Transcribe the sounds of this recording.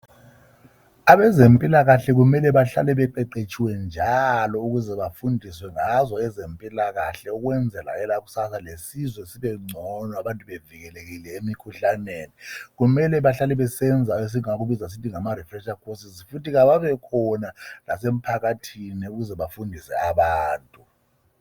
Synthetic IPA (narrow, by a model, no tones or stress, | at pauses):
aβɛzempʼilaɣaɬɛɣumɛlɛβaɬa̰lɛβɛǃɛǃet͡ʃʼiwɛnd͡ʒʱalɔuɣuzɛβafundʱiswɛŋazɔɛzempʼilaɣaɬɛuɣwɛnd͡zʱɛla̰ɛlaɣusasalesizwɛesiβɛŋ͡ǀʱɔnɔaβantʼuβeviɣɛleɣilɛemikʰuɬaneːniɣumɛlɛβaɬalɛβɛsɛnd͡zʱaes̬iŋaɣuβizas̬itʰiŋamarifrɛt͡ʃakʰosizifutiɣaβaβɛkʰɔnala̰sem̩pʰaɣatʰiniuɣuzɛβafundʱisɛ̰aβaːntʼu